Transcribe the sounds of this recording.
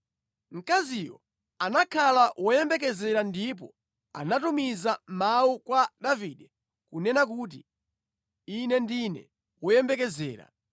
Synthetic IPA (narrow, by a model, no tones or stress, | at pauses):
ŋ̩kaziwɔ̰ | anakʰalawɔjɛmbɛk̬ɛzɛɾandip̬ɔ | a̰natumizamaukwaɗaviɗɛ | kunɛnak̬uːt̬ḭ | inɛndinɛ̰ | wɔjɛmbɛkɛzɛ̰ːɾa̰